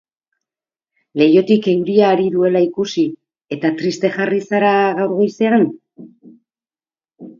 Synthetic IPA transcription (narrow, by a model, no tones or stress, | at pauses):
le̞jo̞t̪ike̞uɾiaːɾiðue̞laikusi | e̞t̪at̪ɾist̪e̞ʝarisaɾaɣawɾɣo̞jse̞an